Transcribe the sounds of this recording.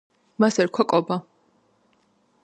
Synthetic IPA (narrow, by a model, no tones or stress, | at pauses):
masɛɾkʰwakʼɔba